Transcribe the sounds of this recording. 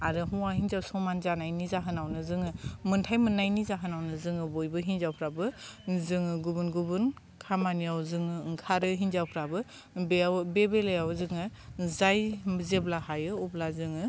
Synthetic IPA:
aɾɯɦuwaɦinzawsɔmanzanajnizaɦɯnawnɯzɯŋɯmɯntʰajmɯnːajnizaɦɯnawnɯzɯŋɯbojbɯɦinzawpʰɾabɯzɯŋɯɡubunɡubɯn | kʰamaniawzɯŋɯŋkʰaɾɯɦinzawpʰɾabɯ | beawbebelajawzɯŋɯzajbzeblahajɯublazɯŋɯ

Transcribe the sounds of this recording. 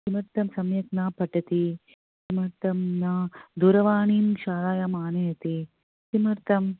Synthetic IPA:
simɐɾt̪ɐmsɐmjɐknaːpɐʈɐt̪i | simɐɾt̪ɐmnaːd̪uɾɐʋaːɳiːmʃaːlaːjaːmaːnɐjɐt̪i | simɐɾt̪ɐm

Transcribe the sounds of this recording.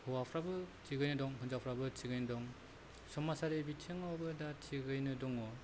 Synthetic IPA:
hɯwapʰɾabɯtiɡɯjnɯdɔŋɦɯnzapʰɾabɯtiɡɯjnɯdɔŋ | sɔmːasadebitʰɯŋawbɯdatʰiɡɯjnɯdɔŋɔ

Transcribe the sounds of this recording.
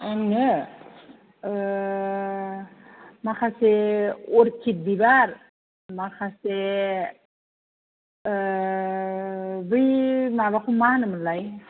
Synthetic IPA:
aŋnɯ | makʰaseoɾkʰit̚bibaɾ | makʰase | bɯjmaβakʰumanɯməlːaj

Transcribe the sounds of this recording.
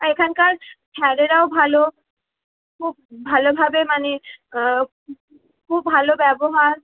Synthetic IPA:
ekʰankaɾkʰɛɾeɾaobʱalo | kʰub̚bʱalobʱabemane | kʰubːʱalobɛboɦaɾ

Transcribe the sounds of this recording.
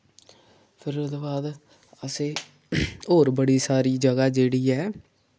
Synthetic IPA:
pʰɪɾʊd̪baːd̪ | əseː | ɦoːɾbəɽiːsaːɾiːd͡ʒəɡaːd͡ʒeːɽiːɛː

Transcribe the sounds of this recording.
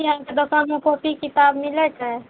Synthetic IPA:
jɦãked̪əsanmẽkopikit̪abmilɛt͡ʃaɛ

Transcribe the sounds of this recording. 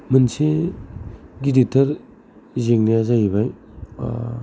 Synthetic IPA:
mɯnse | ɡiditɐɾ | zeŋneazajiβaj

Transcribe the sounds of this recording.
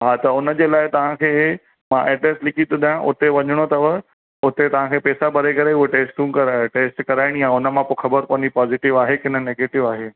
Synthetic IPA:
ɦat̪ɐʊnəd͡ʑeːlaːɪt̪ɐʋ̤ãkʰeː | mãʔeːʈɾeslɪkʰit̪ʰɪ̃d̪aːjãʔʊ̰t̪eʋɐɲəɽ̃ot̪ɐʋə | ʊt̪et̪ɐʋ̤ãkʰeːpeːsabʱɐɾekɐɾeuɦeʈeːsʈũːkɐɾʈeːsʈkɐɾaːɪɽ̃ijãʊnəmãpoxʰɐbəɾpõːnd͡ʑipaːzɪʈɪʋaːɦekɪnə̆neːɡeːʈɪʋaːɦeː

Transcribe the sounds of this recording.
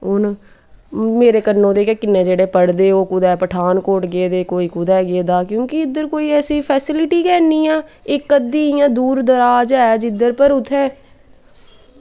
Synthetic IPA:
ʊn | meːɾeːkənːõːd̪eːkeːkɪnːẽːd͡ʒeːɽeːpəɽd̪eːoːkʊd̪ɛːpəʈʰaːnkoːʈɡeːd̪eːkoːiːkʊd̪ɛːɡeːd̪aːkjõːkiɪd̪əɾkoːiːɛːsiːpʰɛːsɪlɪʈiːkɛːniːɛːɪkːəd̪iːɪjãːd̪uːɾd̪əɾaːd͡ʒɛːd͡ʒɪd̪əɾpəɾʊt̪ʰːɛ̃ː

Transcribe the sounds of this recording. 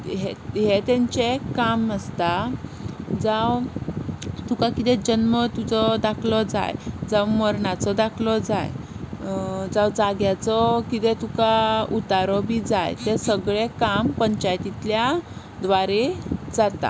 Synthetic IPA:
ɦeɦet̪ɛ̃ɲt͡ɕekaməst̪a | d͡zaw | t̪ukãkit̪ɛd͡ʑənmət̪ud͡zɔd̪akʰlɔd͡za̰jd͡zawməɾɳat͡sɔd̪akʰlɔd͡za̰j | d͡zawd͡zaɡjat͡sɔkit̪ɛt̪ukaut̪aɾɔbʱid͡zajt̪ɛsəɡɭekampəɲt͡ɕajt̪it̪lja | d̪ʋaɾed͡zat̪a̰

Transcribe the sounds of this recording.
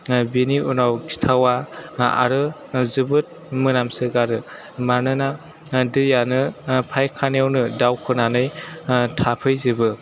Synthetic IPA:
biniunawɡi̥tʰawaa̰ɾɯ | zɯbɯt̚ | mɯnamsɯɡaɾɯ | manɯna | dɯjanɯpʰajkʰanawnɯdawkʰɯnanɯjtʰapʰɯjzɯbɯ

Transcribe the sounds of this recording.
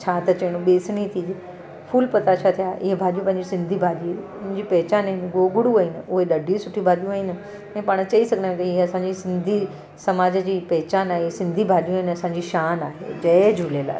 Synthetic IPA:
t͡ɕʰaːt̪ɐt͡ɕɐɽ̃ũɓeːsñit̪ʰiːd͡ʑ | fʰuːlpɐt̪at͡ɕʰaːt̪ʰijaːʔɪɦebʱaːɗijũpɐ̃ɦɪ̃ɲd͡ʑisɪ̃nd̪ʱibʱaːɗi | ʊ̃ɪɪ̃ɲd͡ʑiːpɐɦɪt͡ɕaːnəinɡoːɡʊɽuɐinʊɦeɗɐɖʱisʊʈʰibʱaːɗ̪ijũaːɦinɪ̆ | ɛ̃ːpaːɽ̃t͡ɕɐisɐɡʱnaːẽt̪ɐɪɦeɐsãːɲd͡ʑisɪ̃nd̪ʱi | sɐmaːd͡ʑəd͡ʑiːpɐɦɪt͡ɕaːnaːɦesɪ̃nd̪ʱibʱaːɗijũinɐsãːɲd͡ʑiʃaːnaːɦḛːd͡ʑɐd͡ʑʱuːlela̰ː

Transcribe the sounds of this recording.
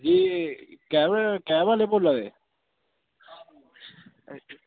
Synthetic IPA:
d͡ʒiːkɛ̃ːkɛːʋaːleːboːlãːd̪ḛː

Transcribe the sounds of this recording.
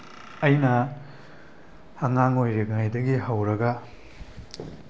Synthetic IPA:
ɐjnɐ | hɐŋaŋojɾeɡajdɐɡihɐwɾɐɡɐ

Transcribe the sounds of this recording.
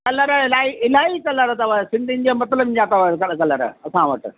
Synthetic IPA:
kɐləɾɪlaːiɪlaːikɐləɾt̪ɐʋasɪ̃nd̪ʱin̆d͡ʑemɐt̪ləbd͡ʑat̪ɐʋakɐkɐləɾ̰ɐsãʋɐ̰ʈɪ̆

